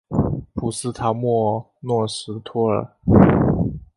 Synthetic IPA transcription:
pʰu˨˩sɹ̩˥t̪ʰa˧˥mwɔ˥˧ | nwɔ˥˩ʂɻ̩˧˥t̪ʰɔ˥ə̰˞˨˩

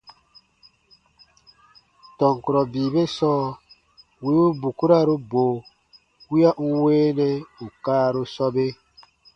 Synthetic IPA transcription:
tɔ˨ŋku˨ɾɔ˨biː˨be˦sɔː˦ | wi˦u˦bu˨ku˦ɾa˦˨ɾu˦boː˨ | wi˦a˦ʔũ˦weː˦nɛ˦u˨kaː˦ɾu˦sɔ˦be˦

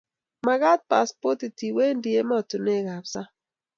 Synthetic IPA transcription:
ma˨ɣa˦t̚pa˨spɔ˦ti˨ti˨we˦ndje˦ma˦ɔ˨tu˨ne˦˨ɡa˨psa˦

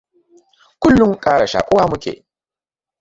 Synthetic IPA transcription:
kʷʊ˦lːʊ˦ŋkʼaː˦ɽa˨ʃa̰ː˨kʷʼʊ˦waː˦mʊ˦kʲḛː˨

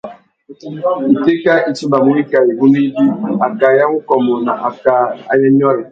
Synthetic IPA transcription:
i˨te˦ka˦ʔi˨t͡ʃi˦ba˨mu˨˦i˦ka˨i˨ɡu˦ni˦bi˦a˨ka˨ja˦ŋu˦kɔ˨mɔ˨na̰˨ʔa˨ka˦a̰˨ja˦ɲ˦ɔ˦ɾɛ˨

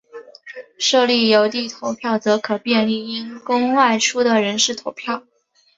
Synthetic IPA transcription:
ʂɤ˥˧li˥˩jo˧˥ʊt̪i˥˩t̪ʰo˧˥ʊpʰjɑ˥˩ʊt͡sɤ˧˥kʰɤ˨˩pjɛ˥˧nli˥˩i˥nkʊ˥ŋwa˥˩ɪʈ͡ʂʰu˥d̪ə˨ɻə˧˥nʂɻ̩˥˩t̪ʰo˧˥ʊpʰjɑ˥˩ʊ

